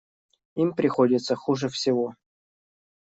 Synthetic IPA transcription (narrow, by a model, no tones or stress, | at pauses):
impɾʲɪxodʲɪt̪səxuʐɨfsʲɪvo